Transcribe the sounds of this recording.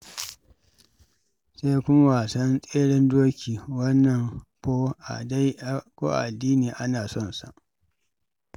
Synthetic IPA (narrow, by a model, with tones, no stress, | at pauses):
seː˦jkʷʊ˦ma˦waː˨sɐ˦nsʼeː˦ɽɪ˦ndoː˦kʲiː˨wɐ˦nːɐ˨ŋkoː˦ʔa̰˨da˦jkʷo̰ː˦ʔa̰˨ʔa˨dːiː˦niː˨ʔa˦naː˨sɔ˦˨nsa̰˨ʔ